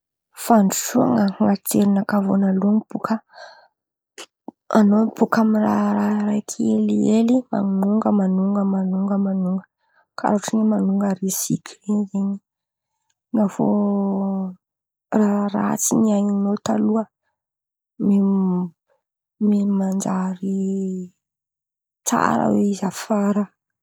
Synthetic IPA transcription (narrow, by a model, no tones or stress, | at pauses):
faɳɖ͡ʐusua̰ŋəŋat̪eɾinakavonaluaŋibukʰə | anobukamiraɾaɾajkʰielielima̰nuŋɡəmanuŋɡəmanuŋɡəmanuŋɡə | kʰa̰ɾuʈ͡ʂinimanuŋɡəɾisḭkʲʰeɲzeɲi | ŋavo̰ | raɾat͡siniaɲinot̪aluə | me | memand͡ʒaɾi | t͡sa̰ɾə̰weizafaɾə